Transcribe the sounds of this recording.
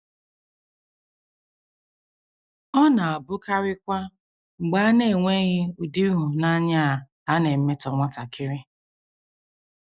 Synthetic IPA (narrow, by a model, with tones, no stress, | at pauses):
ɔ˦na˨a˨bʊ˦ka˦ɾɪ˦kʷa˦ | ŋ͡m̩˨ɡ͡ba˦a˦ne˦˨ŋʷe˦ɣɪ˦u˨di˦u˨na˦ɲa˦˨ | a˦ne˨m̩˦me˦tɔ˨ŋɔ˦ta˨kʰɪ˦ɾɪ˦